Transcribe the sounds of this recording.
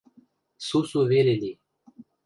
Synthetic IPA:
susuveɾeli

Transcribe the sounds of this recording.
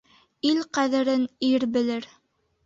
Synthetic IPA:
ilqæðɘ̆ɾɘniɾbɘ̆lɘɾ

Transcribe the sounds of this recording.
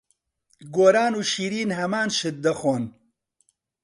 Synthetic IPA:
ɡoːɾaːnuːʃiːɾiːnhɐmaːnʃɨt̪̚d̪ɐxoːn

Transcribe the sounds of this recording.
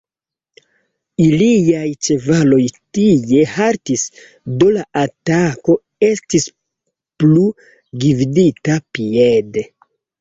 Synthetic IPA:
ilijajt͡ʃe̞valo̞jtije̞haɾtis | do̞laʔatako̞ | e̞stis | plu | ɡividitapiede

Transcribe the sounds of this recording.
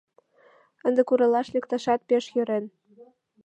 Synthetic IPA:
ənd̪ĕkuɾɤlɑʃlʲĕkt̪ɑʃɑt̪̚peʃjøɾen

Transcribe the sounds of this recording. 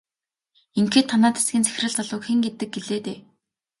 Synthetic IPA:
iŋkeːt̪ʰːanaːt̪sɡʲiːnt͡sʰæ̥x̆ʲrɘ̆ɮt͡sɔɮʊkxĭŋɡet̪ɘ̆k̚ɡeɮeːt̪eː

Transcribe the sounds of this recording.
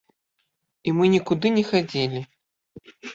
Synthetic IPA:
imɨnʲikud̪ɨnʲɛxad͡zʲilʲi

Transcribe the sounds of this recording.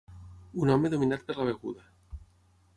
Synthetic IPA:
unomeðomĩnat̪̚peɾlaβeɣṵða

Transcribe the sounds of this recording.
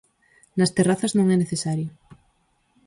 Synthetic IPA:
nɐst̪eraθɐznõŋɛneθesaɾjʊ

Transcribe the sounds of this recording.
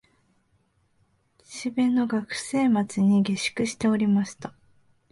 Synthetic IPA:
ɕibe̞nːo̞ɡakɯ̟̥se̞ːmat͡sɨɲ̟iɡe̞ɕi̥kɯ̟ɕi̥t̪e̞o̞ɾʲimaɕi̥t̪a

